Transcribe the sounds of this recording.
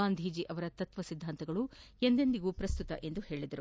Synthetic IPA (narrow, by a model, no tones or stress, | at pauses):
aːnd̪ʱiːd͡ʒiʔɐʋɐɾɐt̪ɐt̪ʋɐsid̪ʱːaːnt̪ɐɡɐɭu | e̞nd̪end̪iɡupɾɐst̪ut̪ɐʔe̞nd̪uhe̞ːɭid̪ɐɾu